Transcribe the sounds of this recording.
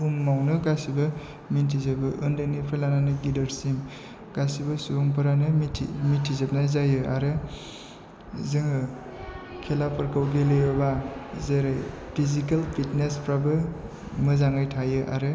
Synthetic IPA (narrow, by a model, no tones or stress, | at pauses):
umːawnɯɡasibɯ | mintʰizebɯʔndɯnipʰelananɯɡidɐɾsim | ɡ̥asibɯsuuŋp̬ɯɾanɯmitʰḭmitʰizep̚najzajɯa̰ɾɯ | zɯŋɯ | kʰelapʰɯɾkawɡelejɔbazeɾɯj | pʰizikelpʰitnespɾabɯ | mɯzaŋajtʰajɯʔa̰ɾɯ